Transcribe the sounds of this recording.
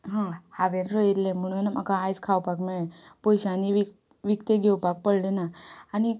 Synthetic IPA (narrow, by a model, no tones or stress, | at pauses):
ɦãhaʋenɾojeɾlẽm̤əɽ̃unam̤akaajd͡zkʰawpakmɛɭẽpɔjɕaniʋi | ʋikt̪eɡʱewpak̚pəɽlenaːñi